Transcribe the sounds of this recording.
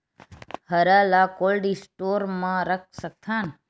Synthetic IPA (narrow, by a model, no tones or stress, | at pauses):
həɾalakolɖisʈoɾmãɾək̚ʰsək̚t̪ʰan